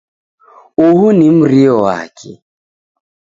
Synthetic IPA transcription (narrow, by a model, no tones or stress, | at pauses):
uhunim̩ɾiɔwa̰kʰɛ̰